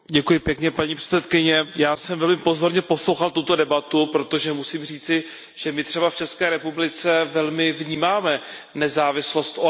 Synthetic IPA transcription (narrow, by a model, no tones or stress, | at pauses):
ɟɛkujɪpjɛkɲɛpaɲiːpr̥ɛ̥t͡sɛt̪̚kɪɲɛjaːsɛmvɛlmɪpo̞zo̞ɾɲɛpo̞slowxalt̪ut̪o̞dɛbat̪upɾo̞t̪o̞ʒɛmusiːmr̝iːt͡sɪ | ʒ̥ɛmɪt̪r̥ɛbaft͡ʃɛskɛːɾɛpublɪt͡sɛvɛlmɪvɲiːmaːmɛ | nɛzaːvɪslo̞st̪ʔo